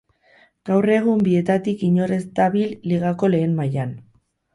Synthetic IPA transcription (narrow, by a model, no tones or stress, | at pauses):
ɡ̥awre̞ɣ̞umbie̞t̪at̪ikiɲo̞ɾe̞zt̪aβilːiɣ̞ako̞le̞ːmmajan